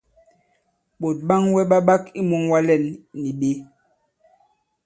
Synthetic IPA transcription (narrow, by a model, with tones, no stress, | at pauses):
ɓo˨t̚ɓa˦ŋwɛ˦ɓa˦ɓa˦ki˦mu˦ŋwa˦lɛ˨nːi˨ɓe˦